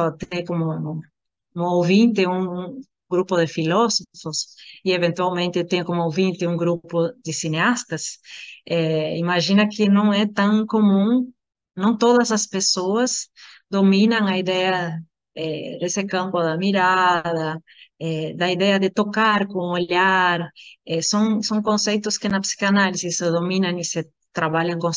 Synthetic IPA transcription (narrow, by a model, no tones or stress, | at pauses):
ɔt̪ẽkomʊ | ũowvĩnt̪ɪũŋ | ɡɾupʊðɪfilɔsofosieβẽnt̪wawmẽnt̪ɪt̪ẽɲkomʊowvĩnt̪ɪũŋɡɾupod̪ɪsineast̪ɐsɛimaʒinɐkɪnɐ̃w̃ɛt̪ãŋkomũŋ | nɐ̃nt̪oðɐzɐspesoɐzd̪omĩnɐ̃ŋɐiðɛɐ | ɛd̪esɪkãmpoðɐmiɾaðɐ | ɛd̪ɐiðɛɐd̪ɪt̪okaɾkõŋoʎaɾɛsõŋsõŋkõnsejt̪ʊskɪnɐpsi̥kanalisisoðomĩnɐ̃ŋisɪ | t̪ɾaβaʎɐ̃ŋkõ